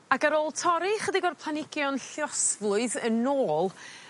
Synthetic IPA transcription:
aɡəɾoːlˠtʰɔɾɪχədiɡɔrpʰlˠanɪɡjɔnɬjɔsvlˠʊɨðənoːlˠ

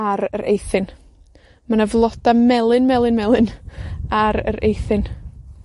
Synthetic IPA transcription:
aɾəɾʔḛjθɨn | manavlˠɔd̥amɛlˠɨnmɛlˠɨnmɛlˠɨnaɾə̰ɾḛjθɨn

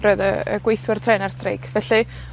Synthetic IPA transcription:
rəðə̰ə̰ɡwejθwɪrtʰrɛːnarstrḛjkʰvɛɬɨ

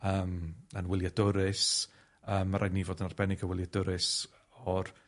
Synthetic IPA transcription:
əːmənwɪlˠjadʊɾɪs | əːmːaɾajniːvoːdənarb̥ɛnɪɡəwɪljadʊɾɪs | ɔr

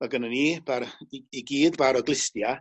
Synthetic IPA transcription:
aɡənəniːb̥aɾiiɡiːdbaɾɔɡlˠɪstja

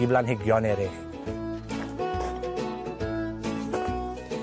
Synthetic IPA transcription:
iblanɦiɡjɔneɾe

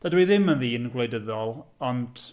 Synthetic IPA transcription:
d̥adwiðɪmənðiːənɡlejdəðɔlˠɔnd

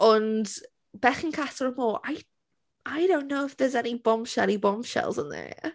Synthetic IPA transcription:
ənd | b̥ɛχɪ̃nkʰasələmoːʔaj | ʔajdõʊ̃nːowɪfðəzɛnibɔmʃɛɾibɔmʃɛ̰lˠzə̃nðə̰

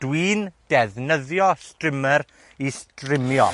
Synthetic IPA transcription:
d̥wiːnd̥ɛðnəðjɔstrɪməɾ | istrɪmjɔ̰

